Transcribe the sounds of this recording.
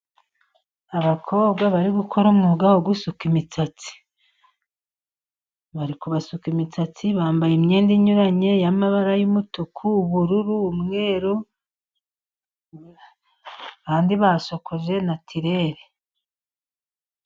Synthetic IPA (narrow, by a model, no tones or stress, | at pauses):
aβakʰo̞ːβɡaβaɾiɡukʰo̞ɾumŋuɡawoɡwusukimit͡sat͡si̥ | βaɾikuβasukimit͡sat͡siβaːmbajimɲeːndiɲuɾaɲe̞jamaβaɾajumutukʰuːβuɾuɾuːmŋe̞ːɾo | βaːndiβasokoʒe̞natʰiɾe̞ɾe